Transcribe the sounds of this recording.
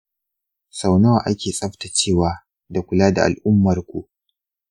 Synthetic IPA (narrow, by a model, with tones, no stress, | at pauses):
sa˨wnɐ˦waː˨ʔa˦kʲeː˨sʼɐ˦ɸta˨t͡ʃeː˦˨waː˦ | da˨kʷʊ˨laː˦da˨ʔa̰˨lʔʊ˦mːɐ˨rkʷu˨ʔ